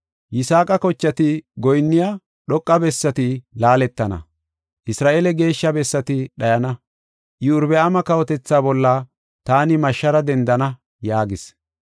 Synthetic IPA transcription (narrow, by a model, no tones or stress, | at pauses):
jɪsaːkʼɐkɔt͡ʃːɐt̪ɪɡɔjnːɪja | ɗɔkʼːɐbɛsːɐt̪ɪlaːlɛt̪ːɐnɐ̰ | ʔɪsɾaːʔelɛɡe̞ːʃːɐbɛsːɐt̪ɪɗɐjɐnɐ | ʔɪʊɾbɛɐmɐkɐwɔt̪ɛt͡sːaːbɔlːa | t̪aːnɪmɐʃːɐɾɐd̪ɛnd̪ɐnɐ | jaːɡɪs